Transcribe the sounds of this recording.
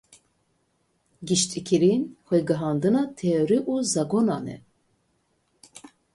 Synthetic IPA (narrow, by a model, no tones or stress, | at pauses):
ɡiʃt̪ʼikʰiɾinxʷɛɡɨɦɑːnd̪ɨnɑt̪ʰɛoɾiʔuzɑɡonɑːnɛ̰